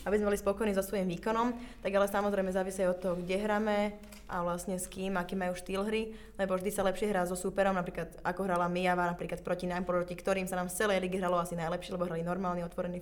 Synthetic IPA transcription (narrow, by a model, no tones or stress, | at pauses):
abizmɛbɔlispɔkɔjniːzɔsʋɔjimʋiːkɔnɔmt̪aɡalɛsamɔzɾɛjmɛzaːʋisiajɔt̪ːɔɦɔɡɟɛɦɾaːmɛ | ʔaʋlasɲɛskiːmakiːmajuːʃt̪iːlɦɾi | lɛbɔvʒd̪isalɛpʃɪɛɦɾaːzɔsupɛɾɔmnapɾiːklat̪akɔɦɾalamijaʋanapɾiːklat̪̚pɾɔcinaːmpɾɾɔcikt̪ɔɾiːmsanaːmft͡sɛlɛjliːɡiɦɾalɔasinajlɛpʃɪɛlɛbɔɦɾalinɔɾmaːlɲiɔt̪ʋɔɾɛniː